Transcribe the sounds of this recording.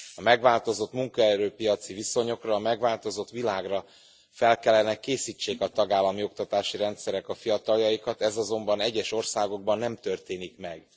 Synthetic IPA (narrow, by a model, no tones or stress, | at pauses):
ɒmɛɡvaːlt̪o̞zo̞t̪muŋkɒɛɾøːpijɒt̪siviso̞ɲo̞krɒːmɛɡʋvaːlt̪o̞zo̞t̪ʋilaːɡrɒ | fɛlkɛlːɛnɛkeːsit͡ʃːeːkɒt̪ɒɡaːlːɒmio̞k̚t̪ɒt̪aːʃiɾɛnt̪sɛɾɛkɒfijɒt̪ɒljɒjikɒt̪ɛzɒzo̞mbɒnɛɟːɛʃo̞rsaːɡo̞ɡ̚bɒnːɛmt̪ørt̪eːnikmɛɡ̥